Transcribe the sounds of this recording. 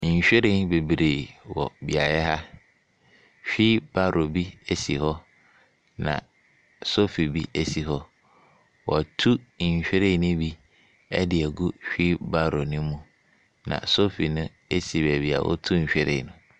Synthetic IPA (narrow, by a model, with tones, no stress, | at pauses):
ɲ̩˨ɕᶣɛ˦ɾɪ̃˦nbe˨bɾeː˨wɔ̰˨bi˨a˨jɛ˦ɦa˦ | ɕᶣiː˦ba˦ɾʔo˨bi˦e˦si˨ɦɔ˦ | nã̰˨ | so˦fi˨bi˦e˦si˨ɦɔ˦ | wɔ˨tʰu˦ɲ̩˨ɕᶣɛ˦ɾe˦˨˦nʊ̃˦bi˦ | ɛ˦dɪ˨ɛ˨ɡu˦ɕᶣi˦ba˦ɾo˨nʊ̃˦mũ˨ | nã̰˨so˦fi˨nʊ̃˦ | e˦si˨bɛ˨bi˨˦a̰˨wɔ̰˦tʰu˦ɲ̩˨ɕᶣɛ˦ɾɪ̰̃˨nʊ̃˦